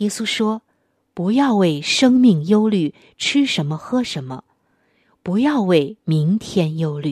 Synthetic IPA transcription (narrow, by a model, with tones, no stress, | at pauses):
jɛ˥su˥ʂwɔ˥ | pu˧˥jɑ˥˧ʊwe˥˩ɪʂɤ˥ŋmi˥˩ŋjo˥ʊly˥˩ | ʈ͡ʂʰy˥ʂə˧˥nmə˧xɤ˥ʂə˧˥nmə̰˧ | pu˧˥jɑ˥˧ʊwe˥˩ɪmi˧˥ŋt̪ʰjɛ˥njo˥ʊly˥˩